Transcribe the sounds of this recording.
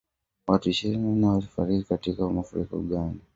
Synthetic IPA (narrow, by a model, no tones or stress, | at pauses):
watuiʃiɾininawalifa̰ɾikikatikaumafuɾḭkɔ̰ɠani